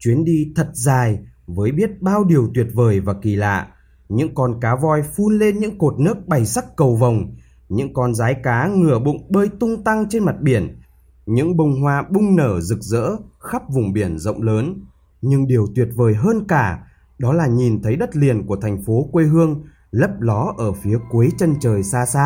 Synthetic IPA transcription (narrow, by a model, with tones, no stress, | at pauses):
t͡ɕwi˨˦ənɗi˧t̪ʰə˨˩t̚zaː˨˩jvəː˨˦jɓi˦˥ət̚ɓaː˧wɗi˨˩əwt̪wi˨˩ət̚vəː˨˩jvaː˨˩ki˨˩la̰ː˧˨ʔ | ɲɨ̰˧˥ŋkɔ˧nkaː˨˦vɔ˧jfu˧nle˧nɲɨ̰˧˥ŋko˨˩t̚nɨ˦˥ək̚ɓa˨˩jsa˦˥kːə˨˩wvə˨˩wŋ͡m | ɲɨ̰˧˥ŋkɔ˧nzaː˨˦jkaː˨˦ŋɨ˨˩əɓʊ̰˧˨ŋ͡mɓəː˧jt̪ʊ˧ŋ͡mt̪a˧ŋt͡ɕe˧nma˨˩t̚ɓi˧˩ən | ɲɨ̰˧˥ŋɓə˧wŋ͡mɦwaː˧ɓʊ˧ŋ͡mnəː˧˩zɨ˨˩k̚zə̰ː˧˥xa˦˥p̚vʊ˨˩ŋ͡mɓi˧˩ənzə̰˧˨wŋ͡mləː˨˦n | ɲɨ˧ŋɗi˨˩əwt̪wi˨˩ət̚vəː˨˩jɦəː˧nkaː˧˩ | ɗɔ˨˦laː˨˩ɲi˨˩nt̪ʰə˨˦jɗə˦˥t̚li˨˩ənku˧˩ət̪ʰɛ˨˩jŋ̟fo˨˦kwe˧ɦɨ˧əŋ | lə˦˥p̚lɔ˨˦ʔəː˧˩fi˨˦əkwu˨˦jt͡ɕə˧nt͡ɕəː˨˩jsaː˧saː˧